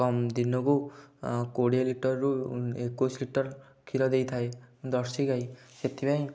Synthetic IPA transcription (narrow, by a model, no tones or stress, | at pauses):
kɔmd̪inɔku | koɽijaliʈɔɾːuekːosliʈɔɾ | kʰiɾɔd̪ejt̪ʰaed̪ɔɾsiɡajset̪ʰibaj̃